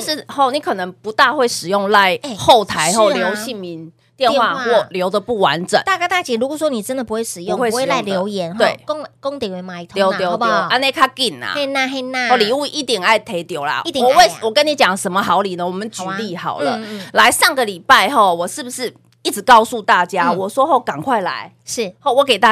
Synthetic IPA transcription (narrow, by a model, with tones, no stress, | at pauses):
ʂɻ̩˥˧˩ho˥˩ʊni˨˦kʰɤ˨˩nə˧˦ŋpu˧˥t̪a˥˧xwe˥˩ɪʂɻ̩˨˩jʊ˥˧ŋla˧˦ɪxo˥˩ʊt̪ʰa˧˦ɪxo˥˧ʊljo˧˦ʊɕi˥˩nmi˧˦n | t̪jɛ˥˧nxwa˥˧xwɔ˥˩ljo˧˥ʊd̪ə˨pu˥˩wa̰˧˦nʈ͡ʂə̰˨˩˦nt̪a˥˧ka˥t̪a˥˩t͡ɕɛ˨˩ɻu˧˥kwswɔ˥ni˨˩ʈ͡ʂə˦nd̪ə˨pu˦xwe˥˩ɪʂɻ̩˨˩joʊ˥˨ŋxwe˥˩˧e˥˧˨la˥˩ljo˧˥ʊjɛ˧˦nt̪we˥˩ɪkŋko˥ŋt̪i˨˩ŋwe˧˦ma˨˧i˨˩t̪ʰjo˧˦ʊt̪jo˧˦˧jo˧ʊa˧˦ne˥˧kʰa˥ki˥˩na̰˨˩˥na˥˧e˥˧na˥˧li˨˩u˥˧ʔi˥˩t̪jɛ˨˩na˥˩ɪt̪ʰe˧˥ɪt̪jo˧˦ʊla̰˨˥˨wɔ˨˩we˥˧ɪwɔ˨˩kə˦nːi˨˦t͡ɕjɑ˨˩ŋʂə˧˥nmə˧xɑ˧˥ʊli˨˩nə˦wɔ˨˩mə˨˦nt͡ɕy˨˦li˥˩xɑ˨˩ʊlə̰˦la˧˥ɪʂa˥˩ŋɡə˨li˨˩pa˥˧ɪxo˥˩ʊwɔ˨˩ʂɻ̩˥˩bu˨˩ʂɻ̩˥˩ | i˥˩t͡s̩˨˩kɑ˥˧ʊsu˥˧t̪a˥˩t͡ɕja˦wɔ˨˩swɔ˥xo˥˩ʊka˨˩nkʰwa˥˩ɪla̰˧˦ɪ | ʂɻ̩˥˩ho˥˩ʊwɔ˧˦ke˨˩ɪt̪a˥˧